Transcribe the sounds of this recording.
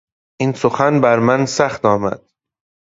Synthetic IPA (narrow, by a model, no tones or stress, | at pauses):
ʔinsoxænbæɾmænsæxt̪ɒːmæ̰d̪̥